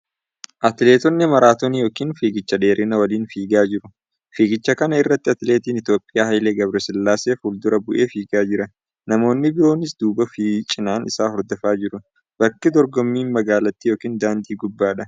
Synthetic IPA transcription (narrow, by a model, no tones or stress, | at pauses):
ʔɐt̪ɪle̞ːt̪ɔnːɪmɐɾaːt̪ɔnijo̞ːkiːnfiːɡɪt͡ʃːɐd̪e̞ːɾʔɪnɐwɐliːnfiːɡaːd͡ʒɪɾʊ | fiːɡɪt͡ʃːɐkɐnɐɪrːɐt̪ːɪɐt̪ɪleːt̪iːnɪt̪jo̞ːpʼɪjaːhɐjleːɡɐbɾɛsɛlːaːseːfuːld̪ʊɾɐbʊʔe̞ːfiːɡaːd͡ʒɪɾɐ | nɐmo̞ːnːɪbɪɾo̞ːnɪsd̪uːbɐfiːt͡ʃʼɪnaːnɪsaːhɔɾd̪ɔfaːd͡ʒɪɾʊ | b̥ɐkːɪd̪ɔɾɡɔmːiːnmɐɡaːlɐt̪ːijo̞ːkiːnd̪aːnd̪iːɡʊbːaːᶑɐ